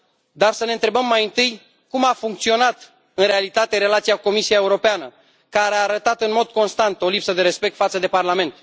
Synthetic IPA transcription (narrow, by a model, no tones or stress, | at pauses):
d̪arsəne̞ɨnt̪ɾe̞bəmːajɨnt̪ɨj | kumafuŋk̚t̪sio̞nat̪ | ɨnɾe̞alit̪at̪e̞ɾe̞lat̪siakuko̞misiaeuɾo̞peanə | kaɾeaːɾət̪at̪ɨnmo̞d̪̚ko̞nst̪ant̪o̞lipsəd̪e̞ɾe̞spe̞k̚t̪fat̪səd̪e̞parlame̞nt̪